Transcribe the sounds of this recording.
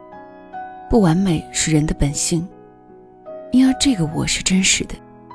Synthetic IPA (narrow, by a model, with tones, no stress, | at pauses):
pu˥˩wa˧˥nme˨˩ɪʂɻ̩˥˩ɻə˧˥nd̪ə˧pə˨˩nɕi˥˩ŋ | i˥nwe˥˧ɪʈ͡ʂɤ˥˩ɡə˩wɔ̰˨˩ʂɻ̩˥˩˧ʈ͡ʂə˥nʂɻ̩˨˧˥d̪ə˦